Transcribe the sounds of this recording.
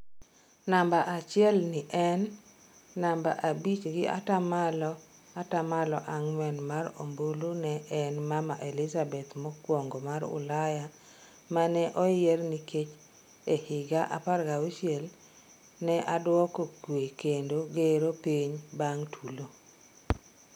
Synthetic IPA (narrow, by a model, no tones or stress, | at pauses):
nambaʔat͡ʃɪɛlnɪʔɛnː | amba̰ʔabit͡ʃɡɪa̰tamalɔ | atamalɔʔaŋmwɛnmaɾo̰mbolonɛʔɛnmamaʔelɪzabɛt̪mɔkwɔŋɡomaɾʊ̰laja | manɛʔɔerniket͡ʃ | ehɪɡaʔa̰parɡawuʃɪɛl | nɛʔadwɔkokwekendoɡeɾopiɲbaŋtʰulo